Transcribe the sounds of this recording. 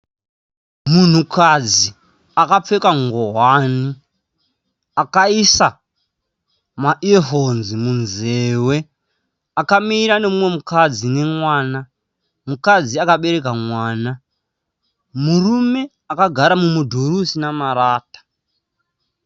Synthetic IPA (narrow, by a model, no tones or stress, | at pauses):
mun̤ukʰad͡zi | akap͡fekaŋɡoɦani | akaisa | maʔeɦonzimunze̞we̞ | akamiːɾane̞mumwe̞mukad͡zine̞mwaːna | mukad͡ziakaɓe̞ɾe̞kamwaːna | murume̞ | akaɡʱaɾamumudʱoɾusinamaɾaːtḁ